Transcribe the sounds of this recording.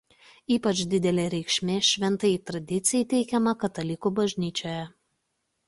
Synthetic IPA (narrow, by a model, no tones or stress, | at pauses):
iːpɐt͡ʃʲd̪ʲɪd̪ʲɛlʲeːɾʲɛɪkʃʲmʲeːʃʲʋʲɛnt̪ɐɪiːt̪ɾɐd̪ʲɪt̪sʲɪjit̪ʲɛɪkʲɛmɐkɐt̪ɐlʲɪkuːbɐʒʲnʲiːt͡ʃʲoːjɛ